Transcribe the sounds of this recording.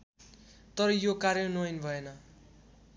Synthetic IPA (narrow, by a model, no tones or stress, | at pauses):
t̪ʌɾʌjokaɾjʌnuʌjnbʱʌenʌ